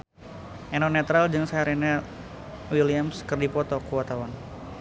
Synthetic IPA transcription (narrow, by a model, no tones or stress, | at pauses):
ʔɛnɔnɛt̪ɾald͡ʒɨŋsaɾinɛ | wiliamskɨrdipɔt̪ɔkuwat̪awan